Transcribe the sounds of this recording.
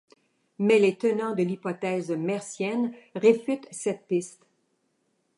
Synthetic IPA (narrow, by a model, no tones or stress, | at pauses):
mɛlet̪ənɑ̃d̪əlipɔt̪ɛːzmɛʁsjɛnʁefyt̪sɛt̪̚pist̪